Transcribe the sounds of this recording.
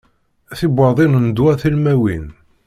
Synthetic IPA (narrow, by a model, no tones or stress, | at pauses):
θibəɾðˤinənd̪wæθilmæwin